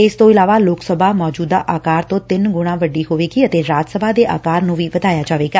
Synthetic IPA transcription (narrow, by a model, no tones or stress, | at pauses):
ɪst̪õːɪlaːʋaːloːksəbʱaːmɔːd͡ʒuːd̪a̰ːʔaːkaːɾt̪õːt̪ɪnɡʊɽ̃ãːʋəɖiːɦoːʋeːɡiːət̪eːɾaːd͡ʒ̪səbʱaːd̪eːʔa̰ːkaːɾnũːʋiːʋəd̪aːjaːd͡ʒaːʋeːɡaː